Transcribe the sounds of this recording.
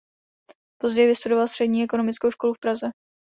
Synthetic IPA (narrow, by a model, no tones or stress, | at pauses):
po̞zɟɛjvɪst̪udo̞valst̪r̥ɛdɲiːʔɛko̞no̞mɪt͡skowʃko̞lufpɾazɛ